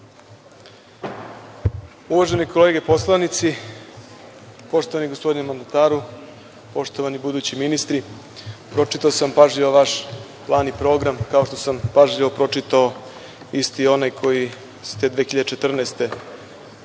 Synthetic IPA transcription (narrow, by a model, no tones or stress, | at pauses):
uʋaʒenikʰo̞le̞ɡe̞po̞slˠanit̪si | po̞ʃt̪o̞ʋaniɡo̞spo̞d̪inemand̪at̪aːɾu | po̞ʂt̪o̞ʋanibud̪uːt͡ɕiminist̪ɾi | pɾo̞t͡ʂit̪aosampaʒʎiʋoʋaʃ | plˠaːnipɾo̞ɡɾamkao̞ʃt̪o̞sampaʒʎiʋopɾo̞t͡ʂit̪ao | ist̪io̞najkʰo̞ji | st̪e̞d̪ʋeːxiʎad̪et͡ʃe̞t̪r̩naːst̪e̞